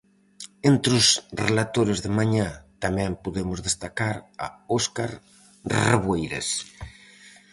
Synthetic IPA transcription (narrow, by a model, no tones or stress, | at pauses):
ent̪ɾʊsrelat̪oɾezðemaɲat̪amɛ̃mpuðemʊzðest̪akaɾa̰oskaɾ | reβwejɾḛs